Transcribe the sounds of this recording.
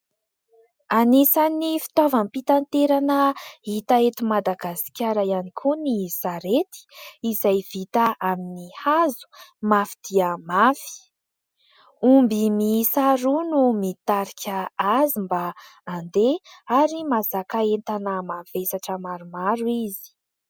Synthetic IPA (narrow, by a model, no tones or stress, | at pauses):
anisanifi̥t̪avampit̪ant̪eɾanəɦit̪aet̪imad̪aɡasi̥kʲaɾajanikʰunisaɾet̪i̥izajvit̪aʔaminihazu̥mafid̪̥iəmafi̥ | umbimisaɾunumit̪aɾikʲʰaazimbaːnd̪eaɾimazakaent̪anəmavesaʈ͡ʂəmaɾumaɾuizi̥